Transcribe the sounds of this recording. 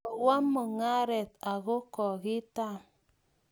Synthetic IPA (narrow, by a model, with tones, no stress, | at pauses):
wa˦mo˨ŋa˦ɾɛ˨t̪a˨ɣo˦kɔ˨ɣɪ˦ta˦˨